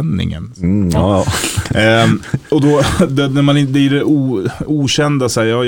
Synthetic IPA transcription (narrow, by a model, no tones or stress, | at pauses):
nːɪ̰ŋə̰n | ɔd̪ɔd̪ɛnæɾmanɪd̪ɪɖɛʔuːuːɕɛnd̪asæjɑː